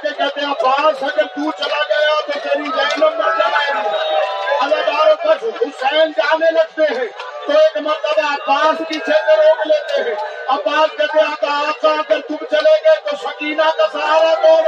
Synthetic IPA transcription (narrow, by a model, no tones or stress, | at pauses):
ekɛːt̪eabaːsəɡəɾt̪ut͡ʃəlaɡɐjat̪ot̪eːɾid͡ʒəɪnəmẽd͡ʒaːeɦɛ̃ | ələɡaːɾokət͡ʃʰɦʊsənd͡ʒaːneləɡ̚t̪eɦɛ̃t̪oeːkmət̪ləbəbaːskit͡ʃʰeːt̪əɾɦokleːt̪eɦɛ̃əbaːt̪̚kɛt̪eãt̪aap̚kãɡəɾt̪ubt͡ʃəleɡet̪osəkiːnakasaːɾat̪oːɾ